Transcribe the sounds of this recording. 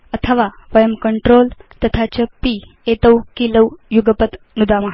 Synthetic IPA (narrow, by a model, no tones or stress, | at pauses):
ət̪ʰəʋaʋəjəmkəɳʈɾolt̪ət̪ʰat͡ɕəpi | et̪əwkiləwjuɡəpət̪ | nud̪aməɦ